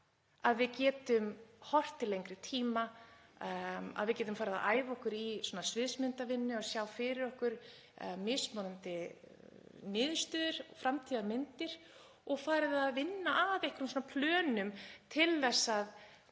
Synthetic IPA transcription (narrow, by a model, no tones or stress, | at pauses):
aðvɪðcɛːt̪ʏmhɔr̥t̪ɪlejŋkɾɪt̪ʰiːma | a̰ðvɪðcɛːt̪ʏmfaːɾɪðaðaːjvɔhkʏɾisɔːnasvɪðsmɪnt̪avɪnːʏaðsjaːwfɪɾɪɾɔhkʏɾ̥ | mɪsmɔːnant̪ɪ | nɪːðst̪œːðʏɾ̥fɾamt̪ʰiːðamɪnt̪ɪɾ̥ | ɔɣfaːɾɪðaðvɪnːaʔavehkʏɾʏmsɔːnapʰlœːnʏmt̪ʰɪlðɛsːað